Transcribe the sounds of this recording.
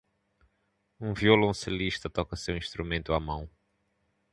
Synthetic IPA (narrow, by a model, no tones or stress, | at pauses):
ũviolɐ̃seliʃt̪ɐt̪ɔkɐsewĩʃt̪ɾumẽnt̪uamɐ̃w̃